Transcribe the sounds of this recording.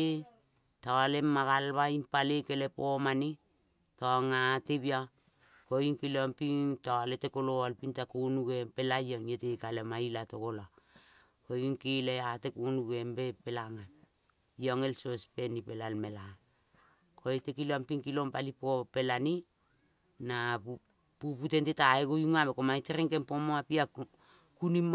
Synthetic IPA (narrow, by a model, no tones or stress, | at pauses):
taalemaɡalβaimpalekelepomani | toŋatebia | koiŋkilompiŋtoaletekoloalpintakunuɡempelajoŋjetekalemailatokola | kojuŋkileatekonuɡe̞mbepelaŋa | joŋe̞lsospe̞nipelalme̞la | kʰoetekileampiŋkilo̞mpalipope̞lani | na | puputentetaeɡojuŋabekomajteɾeŋke̞mpomoapia | kunim